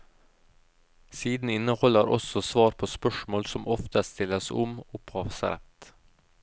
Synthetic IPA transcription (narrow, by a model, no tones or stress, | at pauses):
siːd̪n̩ɪnəhɔləɾʔɔ̰sɔsʋɑːɾpʰoːspœʃmoːlsɔmɔft̪əst̪ɪləsɔ̰mʊpʰɑːʋsə̰ɾɛ̰t̪